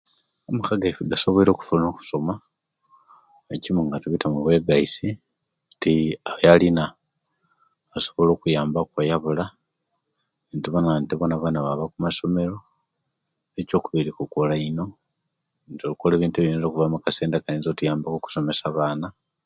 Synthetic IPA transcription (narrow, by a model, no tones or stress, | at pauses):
omukaɡaifiɡaso̞βoiɾo̞ku̥fulnoku̥so̞ma | ecimuŋɡatuβitamuβwe̞ːɡaisi | tiaajalina | so̞̥βo̞lo̞ːkujaːmbakwajaβula | intiβanantiβonaβaːnaβaβakumaso̞me̞ɾo̞ | eco̞ːkuβiɾikukolaino̞ | ntolukoleβiːntueβinelokuvamukaseːndakanizotujaːmbakoku̥so̞me̞saβaːna